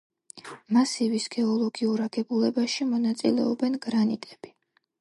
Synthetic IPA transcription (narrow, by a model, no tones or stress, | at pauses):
masivisɡ̥ɛɔlˠɔɡiuɾaɡɛbulɛbaʃimɔnat̪sʼḭlɛ̰ɔbɛnɡɾanḭt̪ʼɛb̥i